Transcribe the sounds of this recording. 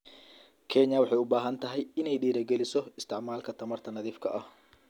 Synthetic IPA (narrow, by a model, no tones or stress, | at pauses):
kʰɛɲɐwɑħɑjʊbaːɦɐnt̪ʰɐɦɛjɪnɛjɖiːɾɐɡɛlɪsɔɪst̪ʰɪʕmaːlkʰɐt̪ʰɐmɐrt̪ʰɐnɐðiːfkʰɐʔɐh